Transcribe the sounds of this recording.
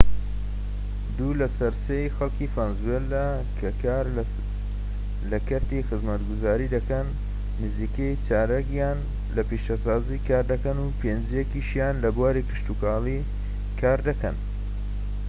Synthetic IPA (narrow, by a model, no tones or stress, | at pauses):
d̪uːlɐsɐɾsejxɐlˠkifaːnzuwela | kʰɐkaɾ | lɐkɐɾt̪ixɨzmɐt̪ɡuzaːɾid̪ɐkɐnː | ɨziːkejt͡ʃaːɾɐɡjaːn | lɐpiʃasaːzikaːɾd̪ɐkɐnupʰeːnd͡ʒjekiʃjaːnlɐbuaːɾikʰɨ̥ʃt̪ukaːlˠi | kʰaːɾd̪ɐkɐn